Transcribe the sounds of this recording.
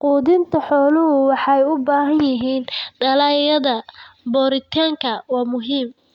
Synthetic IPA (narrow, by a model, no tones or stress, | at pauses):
quːðɪnt̪ʰɐħɔːlʊɦʊwɑħɑɛjʊbaːɦɐnjɪɦiːnɖɐlajɐðɐbɔːɾɪt̪ʰaːŋkʰɐwɑːmʊɦiːm